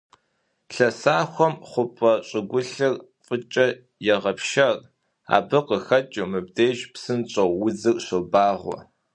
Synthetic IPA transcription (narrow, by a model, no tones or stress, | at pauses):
ɬɐsaːxʷɔmχʷʊpʼɐɕʼɪɡʷʊɬɨr | fʼət͡ʃʼɐ | jɛʁɐpʃɐr | a̰ːbɨqəxɐt͡ʃʼɨmɨb̚deːʒpsɨnɕʼɐwwʊd͡zɨrʼɕobaːʁʷɔ̰